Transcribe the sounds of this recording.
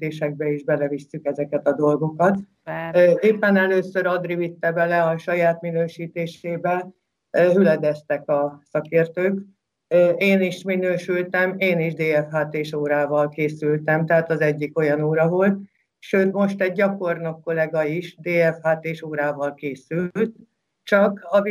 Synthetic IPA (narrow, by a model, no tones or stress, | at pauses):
eːʃɛɡ̚bɛiʒbɛlɛvisːykɛzɛkɛt̪ɒd̪o̞lɡo̞kɒt̪ː | eːpːɛnɛløːsøɾɒd̪rivit̪ːɛbɛlɛɒʃɒjaːt̪minøːʃiːt̪eːʃeːbɛl | ɦylɛd̪ɛst̪ɛkɒsɒkeːrt̪øːk | eːniʃminøːʃylt̪ɛmeːniʒd̪eːɛfhaːt̪eːʃoːɾaːvɒlkeːsylt̪ɛmt̪ɛɦaːt̪ɒzɛɟːiko̞jɒnoːɾɒvo̞lt̪̚ | ʃøːt̪mo̞ʃt̪ɛɟːɒko̞rnokːo̞lɛɡɒiʃd̪eːɛfhaːt̪eːʃoːɾaːvɒlkeːsylt̪̚ | t͡ʃɒkɒ